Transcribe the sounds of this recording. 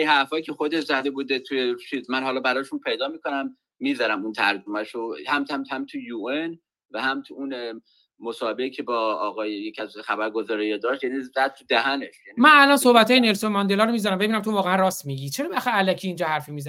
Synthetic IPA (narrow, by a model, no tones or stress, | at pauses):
ihæɾfɒːjicʰexod̪eʃzæd̪ebud̪et̪ʰujeʃit̪mænɦɒːlɒːbæɾɒːʃunpʰe̞jd̪ɒːmiːkʰo̞næmː | iːzæɾæmunt̪ʰæɾd͡ʒumæʃohæmt̪æmt̪hæmt̪ʰujuen | væhæmt̪ʰuun | mosɒːhebeicʰebɒːɣɒːjejecʰæzxæbæɾɡo̞zɒːɾijed̪ɒːʃt̪jæːnizæd̪̚t̪ʰːud̪æɦæneʃjænimænælɒːnso̞hbæt̪ʰɒːjene̞lsomɒnd̪e̞lɒːɾomiːzæɾæmbe̞binæmt̪ʰo̞vɒːɣeænrɒːst̪miːɟit͡ʃʰe̞ɾɒːbæxæælæcʰiːnd͡ʒɒːhæɾfimiːzæ